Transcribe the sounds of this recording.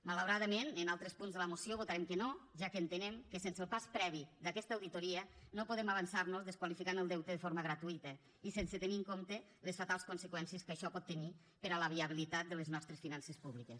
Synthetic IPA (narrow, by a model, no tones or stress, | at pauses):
malawɾaðəmenənalˠt̪ɾəspunzðələmusioβut̪aɾemkənoʒakəːnt̪ənemkəsensəlˠpaspɾɛβid̪akɛst̪əːwðit̪oɾiənopuðɛmaβənsarnuzðəskwalifikanəlˠd̪ɛwt̪əðəfoɾməɣɾat̪uit̪ə | isensət̪əniŋkomt̪ə | ləsfat̪alˠskunsəkwɛnsiəskəʃɔpɔt̪ːəni | pəɾələβiəβilit̪at̪̚d̪ələznɔst̪ɾəsfinansespuβlikes